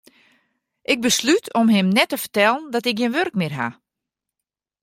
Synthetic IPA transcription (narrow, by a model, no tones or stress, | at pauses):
ʔɪɡ̚bəslytʰɔmɦɪmnɛtəfə̥tɛlˠəndɔtɪk̚ɡinʋørkmɪrɦa̰